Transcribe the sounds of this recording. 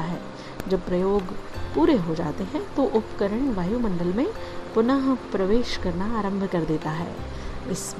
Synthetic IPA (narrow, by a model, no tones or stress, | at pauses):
aɦɛ̰ː | d͡ʒɐb̚pɾɐjoːɡpuːɾeɦod͡ʒa̰ːt̪eɦɛ̃t̪oʔʊpkəɾəɳʋaːjumɐ̃ɳɖəlmẽpʊnəɦpɾɐʋeːʃkɐɾnaaːɾə̃mbʱkɐɾd̪eːt̪aɦɛ̰ː | ɪs